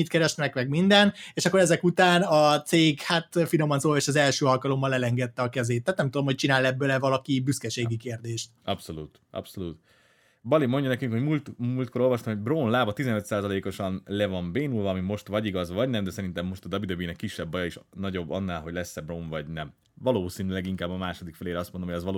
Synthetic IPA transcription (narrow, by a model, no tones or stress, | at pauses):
it̪kɛɾɛʃnmɛkmɛɡ̚mind̪ɛneːʃɒkːoɾɛzɛkut̪aːnɒt̪seːɡhat̪fino̞mɒnsoeːʃɒzɛlʃøːɒlkɒlo̞mːɒlɛlɛŋɡɛt̪ːɛɒkɛzeːt̪ːɛaːt̪nɛmt̪ud̪omho̞c̚t͡ʃinaːlɛbːølɛvɒlɒkibyskɛʃeːɡikeːrd̪eːʃt̪̚ɒ̰pso̞luːt̪ | ɒ̰pso̞lut̪ | bɒlimo̞ɲɟɒnɛkyŋkho̞ɟmult̪muːlt̪ko̞ɾo̞lvɒʃt̪ɒmhoɟbroːnlaːbɒt̪izɛnøt̪saːzɒleːko̞ʃɒnlɛvɒɱbeːnulvɒːmimo̞ʃt̪ʋɒɟiɡɒzvɒɟnɛmd̪ɛsɛɾint̪ɛmːo̞ʃt̪ɒd̪ɒbid̪ɒbinɛkːiʃːɛbːɒjɒiʃnɒɟo̞bːɒ̰nːaːlɦo̞ɟlɛsːɛbroːɱvɒɟnɛm | vɒloːsiːnylɛɡiŋkaːbːɒmaːʃo̞d̪ikfɛleːɾɛɒst̪mond̪ohojɛzʋɒlː